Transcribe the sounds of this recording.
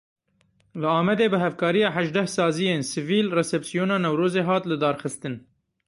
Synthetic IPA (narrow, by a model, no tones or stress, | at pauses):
lɨɑːmɛd̪eːbɨɦɛvkʰɑːɾijɑːħæʒd̪ɛhsɑːzijeːnsɨviːlrɛsɛpsijoːnɑːnɛwɾoːzeːɦɑːt̪lɨd̪ɑːɾxɨst̪ɨn